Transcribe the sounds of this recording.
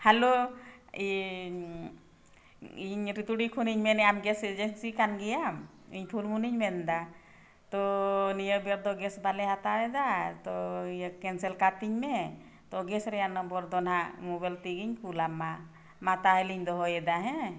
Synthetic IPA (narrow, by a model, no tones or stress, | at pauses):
haloi | iɲɾit̪uɖikʰuniɲmɛnɛamɡɛsɛd͡ʒeksikanɡɛjam | iɲpʰulmuniɲmɛnd̪a | t̪ɔnijəbɛɾd̪ɔɡɛsbalɛɦat̪aɾɛd̪at̪ɔijəkɛnsɛlkat̪iɲmɛ | t̪ɔɡɛsɾɛjanəmbɔɾd̪ɔnɦamubɛlt̪iɡiɲkʰulamːa | mat̪aɦəliɲd̪ɔɦɔjɛd̪aɦɛ̃